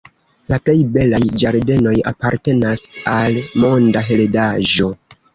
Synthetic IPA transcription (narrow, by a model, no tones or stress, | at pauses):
laple̞jbe̞lajd͡ʒaɾde̞no̞ja̰paɾte̞nasalmo̞ndaɦe̞ledaʒo̞